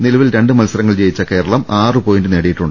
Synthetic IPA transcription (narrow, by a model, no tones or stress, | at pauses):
nilɐʋilɾe̞ɳɖɨmɐlsɐɾɐŋːɐɭt͡ɕe̞jit͡ɕːɐke̞ːɾɐɭɐmaːrɨpo̞ːjinɖɨneːɽejiʈːuɳɖɨ